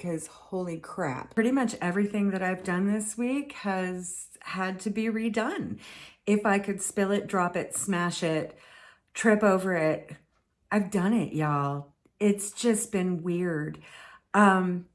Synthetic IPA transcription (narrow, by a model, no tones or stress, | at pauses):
kʰʌz̥hoʊlˠikʰɹ̥æ̰p̚ɹ̥ɪɾimʌt͡ʃɛvɹiθɪ̃ŋðɨɾaɪvdʌ̃nðɪswikhɨz̥ | hɨd̚tʰɨbiɹidʌ̃nɪfaɪkʰɨd̥spɪlˠɨt̚dɹɑpɨtsmæʃɪt | tʰɹ̥ɪpoʊvə˞ɪt̚ | ʔaɪvdʌ̃ñɪ̰ʔjɔlˠ | ɪtsd̥ʒ̥ʌsb̥ɨ̃nwɪɹdʌ̃m